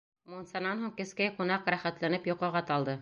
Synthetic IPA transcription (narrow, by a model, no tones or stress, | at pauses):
munsɑnɑnɦuŋkɘ̆skæjqŭnɑqɾæχæt̪lænɘpjŏqɑ̆ʁɑt̪ɑlˠd̪ɤ